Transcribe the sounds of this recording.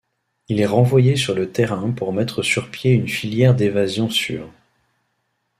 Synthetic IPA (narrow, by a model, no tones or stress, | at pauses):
ilɛʁɑ̃vwajesyʁlət̪eʁɛ̃puʁmɛt̪χəsyʁpjeynfiljɛʁd̪evazjɔ̃sy̰ːʁ